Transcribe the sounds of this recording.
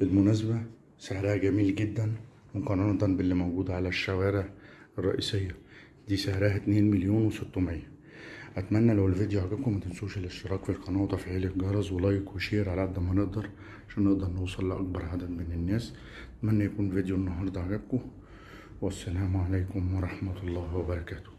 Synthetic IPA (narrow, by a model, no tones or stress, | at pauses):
bɪlmʊnæzbæ | seʕɾæhæɡæmiːlɡɪd̪ːæn | mokɑnɑnɑt̪ɑnbɪlːimæwɡuːd̪æʕalæʃːæwæːɾeʕɑrˤːɑʔḭːsejːæ | d̪iːsaʕɾæːɦæt̪neːnmɪljoːnwesot̪ːʊmɪjːæ | ʔæt̪mænːælæwelved̪juʕaɡæb̚kʊmæt̪ɪnsuːʃelʔɪʃt̪ɪɾˤɑːkfilqɑnɑːt̪ˤɑfiʕeːleɡɑɾˤɑzwɑlɑːjkwʃiːɾʕalabd̪æmæneʔd̪ɑɾˤ | ʕaʃæːnːeʔd̪ɑɾˤnowsˤɑlːʔɑ̰k̚bɑɾˤʕad̪æd̪menɪnːæːs | ʔæt̪mænːæjækuːnved̪junːɑɦɑɾˤd̪ˤɑʕaɡæb̚kʊ | wæsːælæːmʕalæjkʊmwɑɾˤɑħmæt̪lˤːɑːhwæbɑɾˤɑkæːt̪ʊ̥